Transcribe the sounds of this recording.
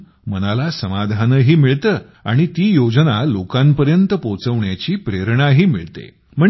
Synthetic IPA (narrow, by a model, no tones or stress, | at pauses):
mənalasəmad̪ʱanəɦiːmiɭt̪əː | a̰ɽ̃it̪iːjod͡znalokampəɾjənt̪əpot͡səʋɳjat͡ɕiːpɾeɾɳaɦiːmḭɭt̪ḛ | m̤əɳ